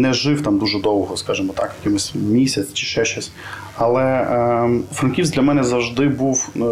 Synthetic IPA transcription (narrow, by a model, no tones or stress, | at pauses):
nɛʒɪwt̪ɑmd̪uʒɛd̪ɔwɦɔskɑʒɨmɔt̪ɑkjɐkʲɪmʊsʲmʲisʲɐsʲt͡ʃɪ̥ʃɛʃɔsʲ | ɐlˠɛ | fɾɐnkʲiwsʲdlʲɐmɛnɛzɐwʒd̪ɪbuw